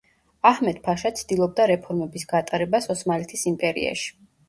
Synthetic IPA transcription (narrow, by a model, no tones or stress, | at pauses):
ahmɛd̪̥̚pʰaʃat̪sʰd̪ilˠɔb̚d̪aɾɛpʰɔɾmɛbisɡat̪ʼaɾɛbasɔsmalɛt̪ʰisimpʼɛɾḭa̰ʃi̥